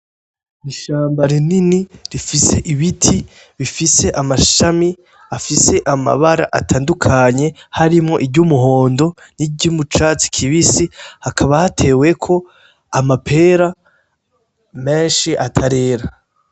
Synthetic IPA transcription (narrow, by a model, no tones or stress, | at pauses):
iʃaːmbaɾininiɾifise̞ʔiβitʰi | βifise̞ʔamaʃami | afise̞ʔama̰βaɾa̰ʔa̰tʰaːndukʰaɲe̞haɾimŋo̞ʔibɟumuɦo̞ːndo̞niɟumut͡ʃaːt͡si̥kʰiβisihakʰaβahatʰe̞ːwe̞kʰo̞ | amapʰe̞ːɾa | me̞ːnʃiʔatʰaɾe̞ːɾa